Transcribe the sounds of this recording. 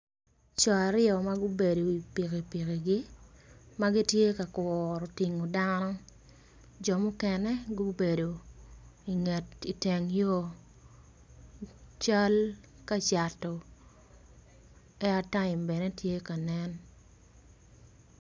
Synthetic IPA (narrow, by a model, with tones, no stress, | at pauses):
t͡ʃɔ˨a˨ɾɪɔ˨ma˦ɡʊ˦be˨do˨i˨pi˨ke˨pi˨ke˨ɡi˦ | ma˦ɡi˦tje˦ka˨kwɔ˨ɾɔ˨ti˨ŋo˨da˦nɔ˦ | d͡ʒɔ˨mʊ˦kɛ˦nɛ˦ɡu˦be˨do˨ | i˨ŋe˨ti˨te˨ŋjo˦ | t͡ʃa˦l | ka˦t͡ʃa˨tɔ˨ | ɛ˦a˨ta˦ɪ˨mbɛ˨nɛ˦tje˦ka˨nɛ˦n